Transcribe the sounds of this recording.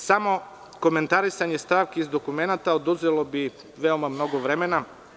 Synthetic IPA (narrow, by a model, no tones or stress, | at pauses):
samo̞ | ko̞me̞nt̪aɾisaɲest̪aːʋkeizd̪okumenat̪aod̪uzelobi | ʋeomamno̞ɡoʋɾemena